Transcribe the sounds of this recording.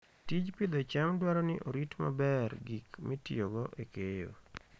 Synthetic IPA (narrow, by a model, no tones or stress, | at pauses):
tit͡ʃpid̪ot͡ʃamdwaɾɔnɪʔoɾitma̰bɛrɡikmitioɡɔʔekejo̰